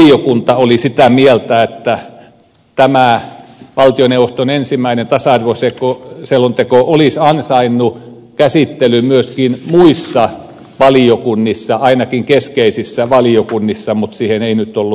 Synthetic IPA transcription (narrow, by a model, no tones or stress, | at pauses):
iokunt̪ɑolisit̪æmielt̪æet̪ːæ | t̪æmæʋɑlt̪ioneuʋost̪onensimːˑæinent̪ɑsɑɑrʋosekoselːont̪ekoʔolisɑnsɑinːu | kæsit̪ːelymyøskinmuisːɑ | ʋɑliokunːisːɑɑinɑkiŋkeskeisisːæʋɑliokunːisːɑmut̪siːheneinyt̪ːˑolːu